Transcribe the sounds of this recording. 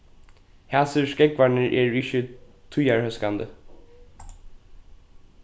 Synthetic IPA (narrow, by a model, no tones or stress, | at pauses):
hæːsəʂkɛkʋɑɳəɹʔeːɹɪçə | t̪ʰʊjɑɹhœskand̪ə